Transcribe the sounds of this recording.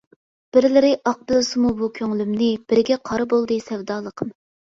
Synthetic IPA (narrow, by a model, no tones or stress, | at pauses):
b̥ɪɾlɪɾɪʔɑq̚bɨlˠɨsɨmubukʲʰøŋlymnɪb̥ɪɾɪɡʲɛqʰɑɾɨbolˠd̪ɨsɛwd̪ɑːlˠəqʰəm